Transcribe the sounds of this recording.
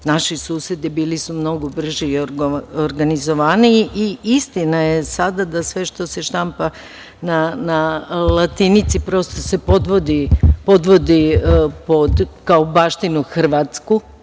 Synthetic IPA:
naʃisuːsed̪ibiːlisumno̞ɡobr̩ʒioɾɡanizoʋaniʔiist̪inaje̞sad̪ad̪asʋe̞ʃt̪o̞seʃt̪ampa | nanalˠat̪init̪sipɾo̞st̪ose̞pod̪ʋo̞d̪ipo̞d̪ʋo̞d̪ipod̪kaobaːʃt̪inuxr̩ʋaːt̪sku

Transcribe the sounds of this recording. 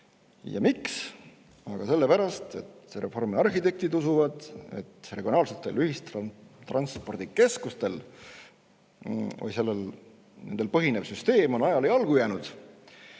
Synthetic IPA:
jɑ̰miks | ɑɡ̥ɑse̞lːe̞pæɾɑst̪e̞̰t̪sɾʔe̞fo̞rmiɑrhit̪e̞k̚t̪id̪usuvɑd̪̥e̞̰t̪ːreɡio̞nɑːlset̪ːˑe̞lyhist̪t̪rɑnspo̞rd̪̥ike̞skust̪e̞l | o̰lise̞lːel | ne̞nd̪e̞lpɤɦine̞vsyst̪e̞ːmo̞nɑjɑlejɑlɡ̥ujæːnud̪̥

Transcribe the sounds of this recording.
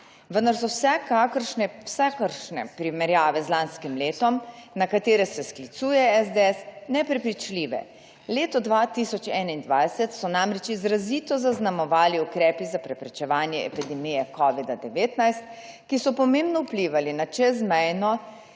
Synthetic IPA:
ʋənd̪aɾsɔwsɛkakəɾʃnɛwsakəɾʃnɛ̰pɾimɛɾjaːʋɛzlaːnskimleːt̪ɔmnakat̪eːɾɛsɛsklit̪suːjɛɛzd̪eɛsnɛpɾɛpɾit͡ʃliːʋɛ̰ | leːt̪ɔd̪ʋat̪isɔt͡ʃɛːnaind̪ʋajsɛt̪sɔnaːmɾɛt͡ʃizɾaziːt̪ɔzaznamɔʋaːliukɾɛːpizapɾɛpɾɛt͡ʃɛʋaːnjɛɛ̰pid̪ɛmijɛkɔʋid̪ad̪ɛʋeːt̪najst̪̚ | kisɔpɔmeːmbnɔupliːʋalinat͡ʃɛzmɛjnɔ

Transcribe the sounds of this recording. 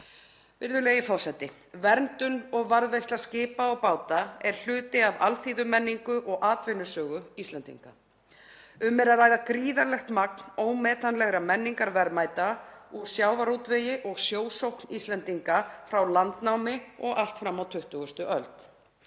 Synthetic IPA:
vɪɾðʏleːjɪfɔr̥sɛt̪ːɪ | vɛɾnt̪ʏnɔɣvaɾðvejst̪lḁscɪːpaɔɣpaːwt̪aɛɾ̥l̥ʏːt̪ɪavalθiːðʏmɛnːiŋkʏʔɔɣʔaːt̪vɪnʏ̥sœːɣʏist̪lɛnt̪ḭŋka | ʏmɛɾaðɾaːjðakɾiːðalɛxt̪maknoːwmɛːt̪anlɛɣɾamɛnːiŋkaɾvɛɾmajt̪auɾ̥sjaːwvaɾuwt̪veːjɪʔɔɣsjoːwsowhknist̪lɛnt̪iŋkafɾawlant̪nawmɪɔɣal̥t̪fɾamːawt̪ʰʏht̪ʏɣʏst̪ʏʔœlt̪

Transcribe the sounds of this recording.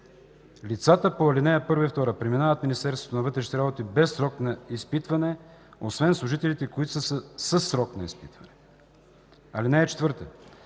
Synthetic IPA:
lit̪sat̪əpoɐlinɛəpɤɾvɐft̪ɔɾəpɾɛminavət̪minist̪ɛɾst̪vot̪onɐvɤt̪ɾɛʃnit̪ɛɾabot̪ibɛsːɾɔknɐispit̪vɐnɛosvɛnslˠʊʒit̪ɛlit̪ɛkoit̪ʊsəsəsəsːɾɔknɐispit̪vɐnɛ | ɐlinɛːt͡ʃɛ̥t̪vɤɾt̪ə

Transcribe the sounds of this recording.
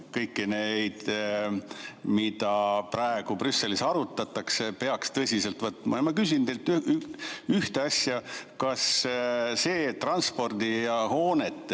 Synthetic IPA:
kɤjkːine̞jd̪̥ | mid̪̥ɑprɑeɡ̥uprysːe̞lisɑɾut̪ːˑɑt̪ːˑɑkse̞pe̞ɑkst̪ɤsʲise̞lt̪vɤt̪mɑ̰emɑkys̬ʲint̪e̞jlt̪ːy | yht̪eɑsʲjɑkɑsse̞ːt̪rɑnspo̞rd̪ijɑho̞ːnet̪ːˑ

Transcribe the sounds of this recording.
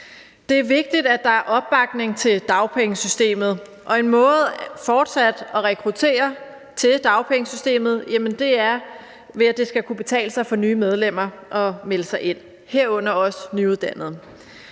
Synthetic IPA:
d̥e̝æɐʋe̝ɡ̥̚d̥id̥æ̥d̥ɑ̈æɐʔɒ̽b̥̚ːɑ̈ɡ̥ne̝ŋt͡sʰe̝ld̥ɑ̈ʊpʰeŋəsysd̥e̝̰ːmð̩ˠ | ʔɒ̽e̝nmɔ̽ːð̩ˠfɒːd̥sæd̥ɒ̽ʁɛkʰʁut͡sʰe̝̰ːɐ | t͡sʰe̝d̥ɑ̈ʊpʰeŋəsysd̥e̝̰ːmð̞̩ˠjæmənd̥e̝æɐ | ʋe̝æd̥e̝sɡ̥ækʰub̥e̝t͡sʰɛ̰ːləsɑ̈ɪfɒ̽nyːmeð̞ˠlem̰ɐ | ʔɒ̽meləsɑ̈ɪe̝n̰ | he̝ɐ̰ɔ̽n̰ɐɒ̽snyuðˠd̥æn̰ð̞̩ˠ

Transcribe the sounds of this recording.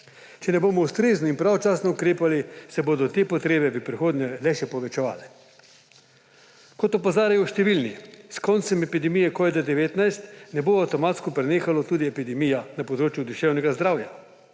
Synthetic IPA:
t͡ʃɛnɛboːmɔust̪ɾeːznɔinpɾawɔt͡ʃaːsnɔukɾeːpalisɛboːd̪ɔt̪eːpɔt̪ɾeːbɛbipɾixoːd̪nɲɛlɛʃɛpɔʋɛt͡ʃɛʋa̰ːlɛ | kɔt̪ɔpazaːɾajɔʃt̪ɛʋilniskɔnt̪sɛmɛpid̪ɛmijɛkɔːʋid̪ad̪ɛʋeːt̪najst̪nɛboːawt̪ɔmaːt̪skɔpɾɛneːxalɔt̪uːd̪iɛpid̪ɛmijanapɔd̪ɾoːt͡ʃjud̪uʃɛwnɛɡazd̪ɾawja

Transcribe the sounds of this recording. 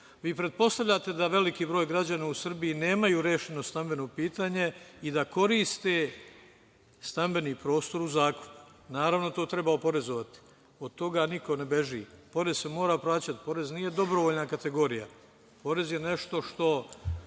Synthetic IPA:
ʋiːpɾe̞d̪̚po̞st̪aʋʎat̪e̞d̪aʋe̞likiːbɾo̞ːjɡɾad͡ʑanausr̩bijine̞ːmajuːɾeːʃe̞no̞st̪ambe̞no̞piːt̪aɲe̞id̪ako̞ɾiːst̪e | st̪ambe̞niːpɾo̞ːst̪o̞ɾuzaːko̥nu̥ | naːɾaʋno̞t̪o̞ːt̪ɾebaopo̞ɾe̞zoʋat̪i̥ | o̞d̪̚t̪o̞ɡaniko̞ne̞be̞ʒḭpo̞ɾe̞zsemo̞ːɾaplaːt͡ɕat̪po̞ɾe̞znije̞d̪o̞bɾoʋoʎnakat̪e̞ɡo̞ɾija̰ | po̞ɾe̞zje̞ne̞ʃt̪o̞ʃt̪o̞

